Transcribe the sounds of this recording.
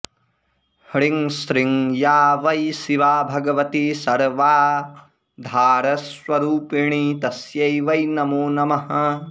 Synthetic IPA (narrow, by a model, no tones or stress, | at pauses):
hɽiŋsɾiŋjaːʋɐjsiʋaːbʱɐɡɐʋɐt̪isɐɾʋaː | d̪ʱaːɾɐsʋɐɾuːpiɳiːt̪ɐsjɐjʋɐjnɐmuːnɐmɐɦɐ